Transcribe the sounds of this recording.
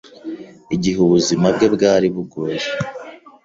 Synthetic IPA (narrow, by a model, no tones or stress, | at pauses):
iɟiɦuβuzimabɡe̞bɡaːɾiβuɡoɾe